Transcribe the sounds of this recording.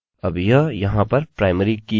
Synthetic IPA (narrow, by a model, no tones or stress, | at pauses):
ɐbjɐjɐɦãpɐɾpɾaːɪməɾiki